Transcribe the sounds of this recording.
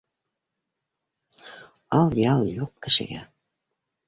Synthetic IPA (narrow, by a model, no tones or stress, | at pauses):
ɑlˠjɑlˠjuqkɘ̆ʃɘ̰̆ɣæ̰